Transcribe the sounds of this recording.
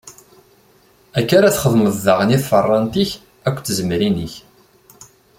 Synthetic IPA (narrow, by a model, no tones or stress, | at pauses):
ækːaɾaθχəðməðːaʁəniθfərˤːɑnt̪iç | ækʷːt͡sːəzəmɾinəç